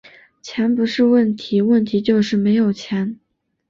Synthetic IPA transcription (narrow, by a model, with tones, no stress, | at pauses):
t͡ɕʰjɛ˧˥npu˧˥ʂɻ̩˥˧wə˥˩nt̪ʰi˧˥wə˥˩nt̪ʰi˧˥t͡ɕjo˥˧ʊʂɻ̩˥˩me˧˥ɪjo˨˩ʊt͡ɕʰjɛ˧˥n